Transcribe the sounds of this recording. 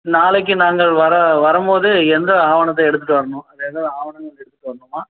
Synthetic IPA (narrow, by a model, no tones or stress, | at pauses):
naːlɛk̬ːɯnaːŋɡɐɭʋɐɾɐʋɐɾɯmboːðɯɛnd̪ɐaːʋɐɳɐt̪̬ːɐɛɽɯt̪ːɯʈːɯʋɐɾɐɳʊ̃ɐðenɐðaːʋɐɳɐŋɡɐɭɛɽɯt̪ːɯʈːɯʋɐɾɐɳʊmaː